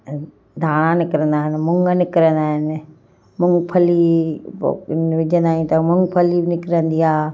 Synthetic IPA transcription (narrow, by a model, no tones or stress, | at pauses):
d̪ʱaːɽ̃ãnɪkɾə̃nd̪aːɦɪnmʊŋɡnɪkɾə̃nd̪aːɦɪnɪ | mʊŋɡpʰəlḭ | nʋɪd͡ʒə̃nd̪aːɦĩt̪ɐmʊŋɡpʰəlinɪkɾə̃nd̪iaː